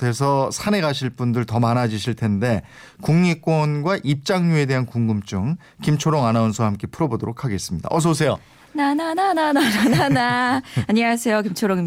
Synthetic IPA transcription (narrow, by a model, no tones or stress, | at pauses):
e̞s̬ʰʌsʰane̞ɡaɕʰiɭp͈undɯɭtʌmanad͡ʑiɕʰiɭtʰe̞nde̞ | kuŋɲik͈wʌnɡwaʔip̚t͡ɕ͈aŋɲue̞de̞ɦankuŋɡɯmt͡ɕ͈uŋ | kimt͡ɕʰoɾoŋanaunsʰohamk͈e̞pʰɯɾʌbodoɾokʰaɡe̞s͈ɯmɲida̰ʔʌs̬ʰʌs̬ʰe̞jo | nanananananananaaɲiŋasʰe̞jokimt͡ɕʰoɾoŋi